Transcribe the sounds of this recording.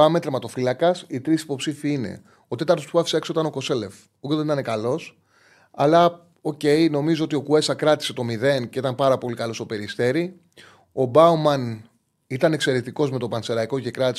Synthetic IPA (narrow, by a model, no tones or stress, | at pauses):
ɐmet̪ɾemɐt̪o̞filɐkɐsit̪ɾisi̥po̞psifiine̞̰ | o̞t̪e̞t̪ɐɾt̪osuvɐfi̥seksoit̪ɐno̞ko̞se̞le̞f | uceðenit̪ɐnekɐlo̞s | ɐ̰lɐ | o̞ce̞jno̞mizoo̞t̪io̞kue̞sɐkɾɐt̪i̥se̞t̪o̞miðe̞nceit̪ɐmpɐɾɐpo̞likɐlo̞st̪o̞pe̞ɾist̪e̞ɾi | o̞bɐumɐn | it̪ɐne̞kse̞ɾet̪iko̞zme̞t̪opɐnse̞ɾɐiko̞ʝekɾɐt̪is